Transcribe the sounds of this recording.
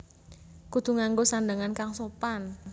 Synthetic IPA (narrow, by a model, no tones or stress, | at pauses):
kut̪ṳŋaŋɡosandaŋankaŋsopan